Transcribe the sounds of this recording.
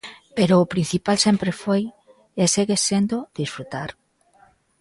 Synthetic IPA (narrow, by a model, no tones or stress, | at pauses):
peɾʊːpɾin̟θipalsempɾefoj | eseɣesend̪od̪isfɾut̪aɾ